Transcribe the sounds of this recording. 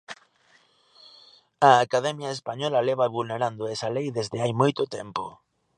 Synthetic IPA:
aːkað̞ɛmjaespaɲɔlaleβaβulneɾand̪oesalejðezðeajmojt̪ot̪ḛmpo̰

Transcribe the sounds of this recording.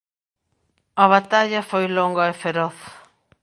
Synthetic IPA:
ɐβat̪aʎɐfojloŋɡaefeɾɔθ

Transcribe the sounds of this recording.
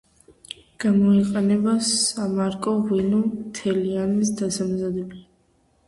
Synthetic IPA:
ɡ̥amɔiqʼɛnɛbasamaɾkʼɔʁwinumt̪ʰɛlianis̬d̪asamzad̪ɛbli

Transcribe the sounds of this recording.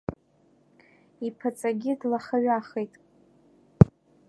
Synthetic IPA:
ipʰat͡sʼaɡʲɪdlaχaɥaχejtʼ

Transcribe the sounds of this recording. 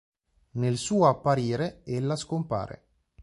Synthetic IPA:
nelsuːoapːaɾiːɾeelːaskompa̰ːɾḛ

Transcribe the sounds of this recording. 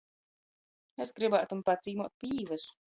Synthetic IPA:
esɡɾibaːt̪umpad̪zʲiːmuɔt̪̚pʲiːvɐs

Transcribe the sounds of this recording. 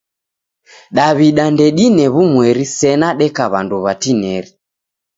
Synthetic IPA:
ɗaβiɗandɛɗinɛβumwɛɾisɛnaɗɛkaβanduβatinɛɾi

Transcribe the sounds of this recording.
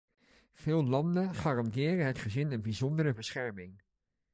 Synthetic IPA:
v̥ɪːlˠlɑndəχaːrɑndɪːrəɦətχəzɪnənbizɔndərəbəsχɛɹmɪŋ

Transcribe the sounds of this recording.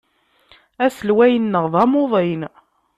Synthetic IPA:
æsəlwæjənːəʁðˤɑmoðˤen

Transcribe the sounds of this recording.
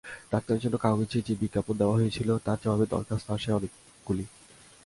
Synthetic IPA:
d̪ak̚t̪aeɾd͡ʑonːokaoɡid͡ʑid͡ʑebiɡːapond̪eoaɦojet͡ɕʰilot̪aɾd͡ʑɔbʱabed̪ɔ̰ɾkast̪oaʃaɔnek | ɡ̥uli

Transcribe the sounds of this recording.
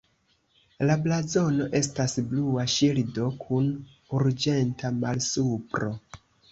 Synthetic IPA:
lablazo̞no̞ʔe̞s̬tasbluaʃildo̞kʰun | uɾd͡ʒe̞ntʰamalsupɾo̞

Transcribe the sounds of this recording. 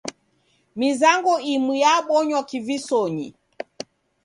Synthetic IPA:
mizaŋɡɔimwijaɓɔɲwakivisɔɲḭ

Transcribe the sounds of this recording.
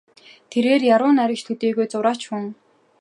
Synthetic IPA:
t̪ʰeɾeːrjaɾʊːnaɾʲɪ̆kt͡ɕt̪ʰɵt̪eːɣojt͡sʊɾaːt͡ɕxʊŋ

